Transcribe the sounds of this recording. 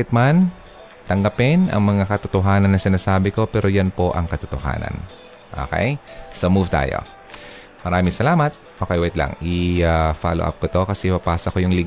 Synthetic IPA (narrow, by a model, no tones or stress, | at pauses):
ɪt̪̚man | t̪ɐŋɡɐpɪnʔɐ̰ŋmɐŋakɐt̪ot̪oɦaːnɐnːɐsɪnaːsaːbɪko̞pɛːɾo̞janpo̞ʔɐŋkɐt̪ot̪o̰ha̰ːnɐ̰n | ʔo̰ːkɛ̰jsɐmuvt̪a̰ːjo̰ | mɐɾaːmɪŋsɐlaːmɐt̪̚ʔoːkɐjwɛjt̪lɐ̰ŋɪafa̰ːlo̰ʔa̰p̚kot̪o̞kɐsɛʔɪpɐpaːsɐkojʊŋlɪɡ